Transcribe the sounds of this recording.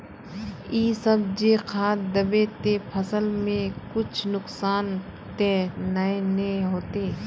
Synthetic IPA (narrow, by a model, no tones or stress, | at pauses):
iːsəb̚d͡ʒeːkʰaːd̪əbeːt̪epʰəsəlmẽkʊt͡ʃʰnʊksaːn | t̪eːnɐenẽɦoːt̪eː